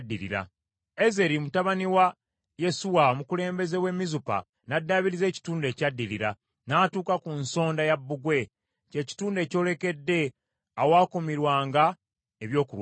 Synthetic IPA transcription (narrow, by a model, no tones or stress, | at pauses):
dːiɾḭɾa̰ | eze̞ɾimutaβaniwa | je̞suwamukule̞ːmbe̞ze̞we̞mizupa̰ | nadːaβiɾize̞ːci̥tuːnde̞ːcadːiliɾa | naːtuːkakunso̞ːndajabːuɡwe̞ | ceːci̥tuːnde̞ːco̞ːle̞ke̞dːe̞ | awaːkomiɾwaːŋɡa | eβjo̞ːkuɾw